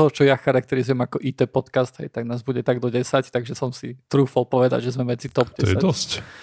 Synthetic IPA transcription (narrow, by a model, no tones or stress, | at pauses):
ɔɦɔt͡ʃɔjaxaɾak̚t̪ɛɾizujɛmakɔʔit̪ɛːpɔt̪kasd̪ɦɛ̰jt̪aɡnaːzbuɟɛt̪aɡd̪ɔɟɛsact̪aɡʒɛsɔmsit̪ɾuːfɔlˠpɔʋɛd̪a̰ɟʒɛzmɛʋɛt͡sit̪ɔb̥ɛɔjsɛad̪ɔsc